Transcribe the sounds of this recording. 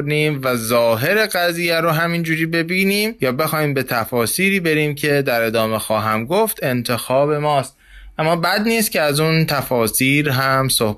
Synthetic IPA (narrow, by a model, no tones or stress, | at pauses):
ɾniːmvæzɒːɦe̞ɾeɣæziːjæɾoɦæmind͡ʒuːɾiːbe̞biːniːmjɒːbe̞xɒːhiːmbe̞t̪ʰæfɒːsiːɾiːbe̞ɾiːmcʰe̞d̪æɾe̞d̪ɒːme̞xɒːɦæmɡoft̪e̞nt̪ʰe̞xɒːbe̞mɒːst̪ | ʔæmːɒːbæd̪niːst̪̚cʰeæzunt̪ʰæfɒːsiːɾɦæmsoh